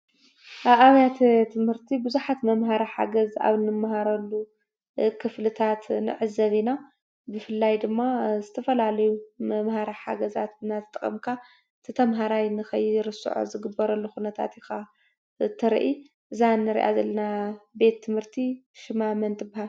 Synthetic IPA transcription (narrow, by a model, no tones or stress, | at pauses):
ʔaβaβjat̪t̪ʰɨmhɨɾt̪ʰibɨzuħat̪mɐmɦaɾaħa̰ɡɐza̰βɨnːɨmːaɦaɾɐlːu | kʰɨflɨt̪ʰat̪nɨ̰ʕɨzːɐβina | bɨfɨlːajd̪ɨmːazɨt̪ʰɐfɐlalɐjumɐmhaɾaħa̰ɡɐza̰t̪ɨnat̪ʰɨt̪ʼɐχʼɐ̰mkʰa | ɨt̪ʰɨt̪ʰɐmɦaɾajnɨxɐjːiɾɨsɨ̰ʕo̰zɨɡɨbːɐɾɐlːuxunɐt̪ʰa̰t̪ɪxa | ɨt̪ʰɐɾ̰ʔi | ʔɨzanːɨɾḭʔa̰zɐlːɐnabe̞t̪ʰːɨmhɨɾt̪ʰiʃɪmamɐnt̪ʼɨbahal